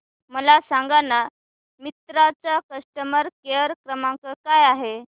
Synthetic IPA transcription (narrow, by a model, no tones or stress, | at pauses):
məlasãŋɡana | mit̪ɾat͡sakəsʈəməɾkeəɾkɾəmãkəkajaɦe